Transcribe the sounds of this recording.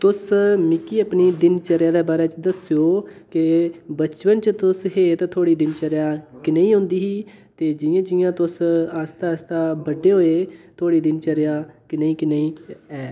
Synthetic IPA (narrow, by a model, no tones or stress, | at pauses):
t̪ʊsmɪkiːəpniːd̪ɪnt͡ʃəɾjãːd̪eːbaːɾɛːt͡ʃd̪əsjoːkɪbət͡ʃʋənt͡ʃət̪ʊsɦeːt̪t̪ʰoːɽiːd̪ɪnt͡ʃəɾjaːkɪneːĩːɦʊ̃nd̪iːɦiːt̪eːd͡ʒɪjãːd͡ʒɪjãːt̪ʊsaːst̪aːst̪aːbəɖːeːɦoːeːt̪ʰoːɽiːd̪ɪnt͡ʃəɾjaːkɪnaːiːkɪnaĩːɛː